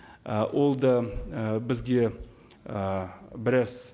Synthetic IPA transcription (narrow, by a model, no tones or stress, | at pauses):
əwʔo̞lˠd̪əbɪzɡʲe̞ | əbɪɾɑs